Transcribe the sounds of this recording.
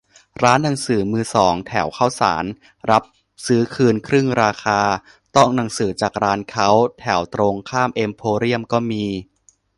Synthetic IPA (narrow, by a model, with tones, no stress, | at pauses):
ɾaː˦˥nːa˨˩˦ŋsɯː˩˦mɯː˧sɔː˩˦ŋt̪ʰɛ˩˦wkʰa˥˩wsa̰ː˩˦n | ɾa˦˥p̚ | sɯː˦˥kʰɯː˧nkʰɾɯ˥˩ŋɾaː˧xʰaː˧ | t̪ɔ˥˩ŋna˩˦ŋsɯː˩˦t͡ɕaː˨˩k̚ɾaː˦˥nkʰa˦˥wt̪ʰɛ˩˦wt̪ɾo˧ŋkʰaː˥˩mʔe˧mpʰoː˧ɾi˥˩əmkɔː˥˩miː˧